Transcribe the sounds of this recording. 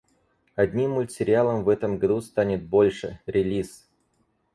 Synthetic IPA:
ɐd̪ʲnʲimːʊlʲtʲɪɾʲɪalˠəmvɛt̪əmɡɐd̪ust̪anʲɪt̪̚bo̞lʲʂɨ̰ɾʲɪlʲis

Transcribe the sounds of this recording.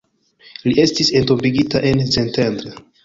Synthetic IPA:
liʔe̞stise̞nto̞mbiɡitaʔe̞nsentendɾe

